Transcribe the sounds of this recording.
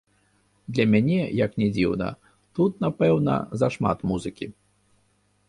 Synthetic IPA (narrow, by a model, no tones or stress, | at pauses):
d̪lʲɐmʲanʲɛjɐknʲɛd͡zʲiwnɐ̰ | t̪ut̪̚napɛwnɐ̰zɐʂma̰t̪muzɨkʲi